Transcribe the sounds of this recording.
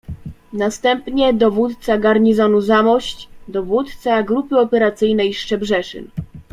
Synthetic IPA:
nast̪ɛmpɲɛd̪ɔvut̪t̪saɡaɾɲizɔnuzamɔɕt͡ɕd̪ɔvut̪t̪saɡɾupɘɔpɛɾat̪sɘjnɛjʂt͡ʂɛbʐɛʂɘ̰n

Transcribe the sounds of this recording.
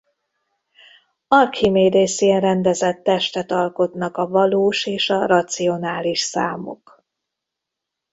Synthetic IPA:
ɒrkhimeːd̪eːsiɛnrɛnd̪ɛzɛt̪ːɛʃt̪ɛt̪ɒlko̞t̪nɒkɒvɒloːʃeːʃɒrɒt̪sio̞naːliʃsa̰ːmo̰k

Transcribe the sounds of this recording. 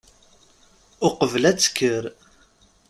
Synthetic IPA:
ʊqəvəlæt͡sːkːəɾ

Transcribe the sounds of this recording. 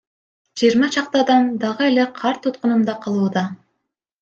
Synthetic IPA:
d͡ʒijːɾmɑt͡ʃʰɑq̚t̪ɑd̪ɑnd̪ɑʁɯele̞qʰɑɾt̪ʰːut̪̚qʊnumd̪ɑqʰɑlˠuːd̪ɑ

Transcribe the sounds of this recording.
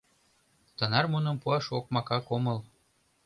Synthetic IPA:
t̪ɤnɑrmunə̆mpuɑʃok̚mɑkɑkomɤ̆l

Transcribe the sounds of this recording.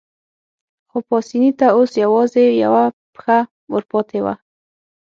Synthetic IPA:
xopɑsinit̪aosjawɑzeja̰wapxa | wəɾpɑt̪ʰewa̰

